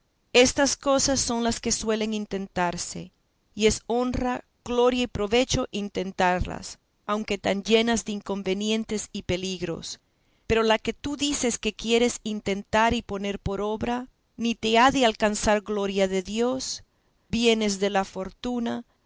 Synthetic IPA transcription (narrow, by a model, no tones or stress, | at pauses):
e̞st̪asko̞sasːo̞ŋlaske̞swe̞le̞ŋint̪e̞nt̪aɾse̞̰ | ie̞so̞nra | ɣ̥lo̞ɾjaipɾo̞βe̞t͡ʃo̞ʔint̪e̞nt̪aɾla̰s | awŋke̞t̪and͡ʒe̞nazðeiŋko̞mbe̞njẽ̞nt̪e̞sipe̞liɣɾo̞̰s | pe̞ɾo̞lake̞t̪uðise̞ske̞kje̞ɾe̞sint̪e̞nt̪aɾipo̞ne̞ɾpo̞ɾo̞βɾa | nit̪e̞aðealkansaɾɣlo̞ɾjaðe̞ðjo̞s | bje̞ne̞zðe̞lafo̞ɾt̪una